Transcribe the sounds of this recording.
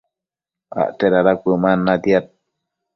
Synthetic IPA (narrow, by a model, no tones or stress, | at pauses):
a̰ʔt̪eɾaɾakʷɨmanːad̪jat̪̚